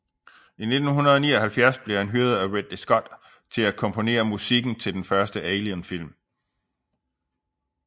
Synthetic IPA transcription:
ine̝d̥n̩ɦunɐðˠɒnḭːɒhælfjæɐsb̥le̝hænɦyːɐð̞̩ˠæʁed̥esɡ̥ɒ̽d̥ | t͡sʰe̝lækʰɒ̽mpʰo̝ne̝̰ːɐmusiɡ̥n̩t͡sʰe̝ld̥enfɶɐsd̥əeɪliənfil̰m

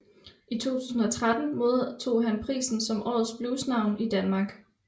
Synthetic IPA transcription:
ʔit͡sʰo̝̰ːt͡sʰuːsn̩ɒt͡sʰʁad̥n̩moːðˠt͡sʰo̝̰ːɦænpʰʁḭːsn̩sɒ̽mʔɒ̰ːð̩ˠsb̥luːsnɑ̈ʊ̰nid̥ænmɑ̈ːɡ̥

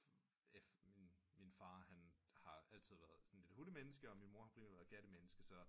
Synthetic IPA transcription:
eminminfɑ̈ːhænhɑ̈æl̰t͡sʰið̞̰ˠʋæɐð̩ˠsɒn̩le̝d̥huləmenəsɡ̥əɒ̽minmo̝ɐhɑ̥ḛːmæʋæɐɡ̥æɾ̥əmenəsɡ̥əsɒ̽

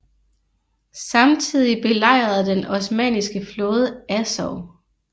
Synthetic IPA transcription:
sɑ̈mt͡sʰið̰ˠib̥e̝lɑ̈ɪ̰ʁɐð̩ˠd̥enɒ̽smɛ̰ːnisɡ̥əflɔ̽ːðˠəæsɒʊ

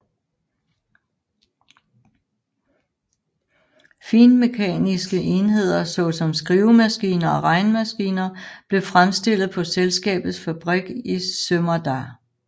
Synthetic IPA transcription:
fiːnme̝kʰɛ̰ːnisɡ̥əʔe̝nɦe̝ð̞̰ˠɐsɒ̽sɒ̽msɡ̥ʁiːʊmæsɡ̥ḭːnɐɒ̽ʁɑ̈ɪnəmæsɡ̥ḭːnɐb̥le̝fʁamsd̥e̝l̰ð̩ˠpʰɒ̽selsɡ̥ɛ̰ːb̥ð̩ˠsfæb̥ʁiɡ̥isømɐd̥æ

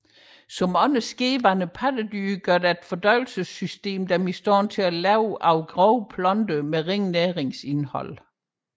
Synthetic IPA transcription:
sɒ̽mɒ̽nəsɡ̥e̝ːʋɐnəpʰæd̥əd̥yɡ̥ɶɐd̥æe̝d̥fɒ̽d̥ɒɪl̩səsysd̥e̝̰ːmd̥ɑmisd̥ɒ̰ːnt͡sʰe̝ælɛʊʔɑʊɡ̥ʁɒʊpʰlɒ̽nd̥əmeʁeŋnæːʁeŋse̝nhɒ̽l̰

